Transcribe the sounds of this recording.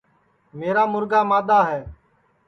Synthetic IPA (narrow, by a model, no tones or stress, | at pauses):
meːɾaːmʊɾɡaːmaːd̪aːɦɛː